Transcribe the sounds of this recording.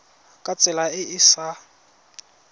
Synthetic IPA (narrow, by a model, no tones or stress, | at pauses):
kʼat͡sʼɛlaɪʔɪsa